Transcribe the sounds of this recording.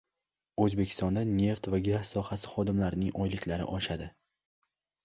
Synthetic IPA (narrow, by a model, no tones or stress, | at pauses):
ɵzbe̞kʲʰɪ̥st̪ɒnd̪anːe̞ft̪vaɡasːɒhasɪ̥χɒd̪ɪmlaɾɪnɪ̰ŋɒjlɪkʲlaɾɪ̰ʔɒʃad̪ɪ